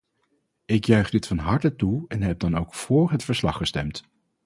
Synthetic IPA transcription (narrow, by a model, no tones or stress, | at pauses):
ɪkjœɥχdɪtfɑnɦɑɹtətuɛnɦɛb̚dɑnowkfʊːɹɦətfəɹslɑχːəstɛ̰mt